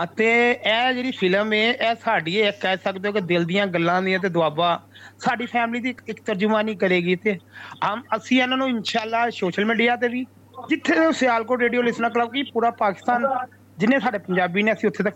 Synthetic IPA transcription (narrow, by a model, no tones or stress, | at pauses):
t̪eːɛːd͡ʒeːɾiːpʰɪləmeːʔɛːsaːɖiːekɛːsəkd̪eoːked̪ɪld̪ɪjãːɡəlːãːd̪ɪãːt̪̬eːd̪ʊaːbaːsaːɖiːpʰɛːmliːd̪iːɪkt̪əɾd͡ʒʊmãːnĩːk̬əɾeːɡiːt̪eːɦəməsĩːɛnãːnũːɪnʃaːlːaːsoːʃəlmiːɖijaːt̪̬eːʋiː | d͡ʒɪt̪ʰːeːseaːlkoːɾɾeːɖijoːlɪsnaːkləbkiːpuːɾaːpaːkɪ̥st̪aːn | d͡ʒɪnẽːsaːɖeːpəɲd͡ʒaːbiːneːəsĩːʊt̪ʰːeːt̪ə